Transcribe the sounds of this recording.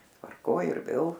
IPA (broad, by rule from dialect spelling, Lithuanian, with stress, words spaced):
tʋɐrˈkoːj ɪr ˈʋʲeːlˠ